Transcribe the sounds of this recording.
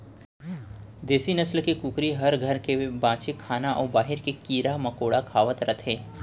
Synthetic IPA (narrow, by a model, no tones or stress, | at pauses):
d̪eːsinɐslkikukɾiɦɐɾɡʱɐɾkebãːt͡ʃekʰaːnaʔɔːɾbaːɦɪɾkekiːɾamɐkoːɽakʰaːʋət̪ɾɐt̪ʰeː